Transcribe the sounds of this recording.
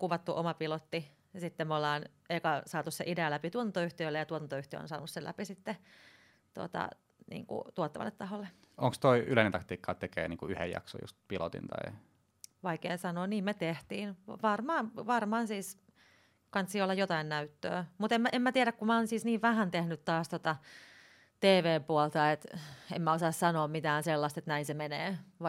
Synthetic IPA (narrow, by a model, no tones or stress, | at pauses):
kuʋɑt̪ːuʔomɑpilot̪ːi | sit̪ːemolːɑːn | eikɑsɑːt̪usseʔideælæpit̪uot̪ɑnt̪oyht̪iøilːejɑt̪uot̪ɑnt̪oyht̪ḭo̰nsɑːnuselæ̰pisit̪ːe | t̪uo̰t̪ɑ̰ | nḭːŋkṵt̪uot̪ːɑʋɑ̰lːet̪tɑholːeoŋkst̪oiyleinent̪ɑkt̪iːkːɑːt̪ekḛːniːŋkuyhḛjjɑ̰kso̰jṵst̪pilot̪ḭnt̪ɑ̰i | ʋɑikeːsɑnoːniːmmet̪eht̪iːnʋʋɑrmɑːnʋɑrmɑːnsiːs | kɑnt̪ssiːolːɑjot̪ɑinnæyt̪ːø̰ːmut̪emmæʔemæt̪iæɾækkumæoːnsiːsniːʋʋæhænt̪ehnyt̪t̪ɑːst̪ot̪ɑ | t̪eːʋeːmpuɔlt̪ɑet̪ḛmmæosɑːssɑnoːmmit̪æːnselːɑst̪et̪næinsemeneːʋɑ